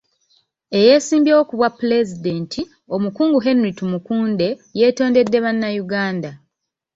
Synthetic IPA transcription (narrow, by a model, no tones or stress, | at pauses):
e̞je̞ːsiːmbjeokuβwapːule̞zide̞ːntʰi | o̞mukuːŋɡuɦe̞nuɾitumukuːnde̞je̞ːto̞ːnde̞dːe̞βanːajuɡaːnda